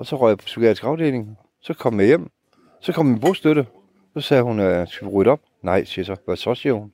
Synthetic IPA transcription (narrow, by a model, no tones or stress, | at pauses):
ɒ̽sɒ̽ʁœɐpʰɒ̥suɡɛ̰disɡ̥ɑ̈ʊd̥e̝ːle̝ŋ | sɒ̽kʰɒ̽mmæjem̰ | sɒ̽kʰɒ̽m̰minb̥o̝sd̥øɾə | sɒ̽sɛːhunøsɡ̥ʁyɾɒ̽b̥̚ | nɑ̈ɪ̰siɐsɒ̽ʋæsɒ̽siɐhun